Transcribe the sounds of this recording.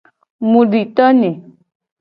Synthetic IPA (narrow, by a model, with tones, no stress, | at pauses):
mũ˨ɖi˨t̪ɔ˦nẽ˨